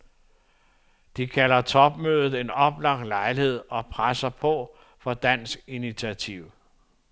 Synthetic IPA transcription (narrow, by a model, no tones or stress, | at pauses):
d̥ikʰælɐt͡sʰɒ̽b̥møːð̞ˠð̩ˠe̝nɒ̽b̥lɑ̈ɡ̥̚d̥lɑ̈ɪlihe̝ð̞̰ˠɒ̽pʰʁasɐpʰɒ̽ | fɒ̽d̥æn̰sɡ̥init͡sʰiæt͡sʰiʊ̰